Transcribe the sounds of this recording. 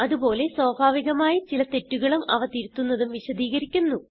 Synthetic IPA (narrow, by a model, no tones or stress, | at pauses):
ɐðubo̞ːle̞swoːbʱaːʋiɣɐmaːjit͡ɕilɐt̪e̞tːuɣɐɭumɐʋɐt̪iɾut̪ːunːɐðumʋiɕɐd̪iːɣɐɾikʲːunːu